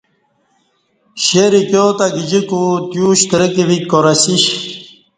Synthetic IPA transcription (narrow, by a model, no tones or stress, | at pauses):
ɕeɾikjoːt̪aɡid͡ʑikut̪juːɕt̪ɾəkiʋikoɾɐsiɕ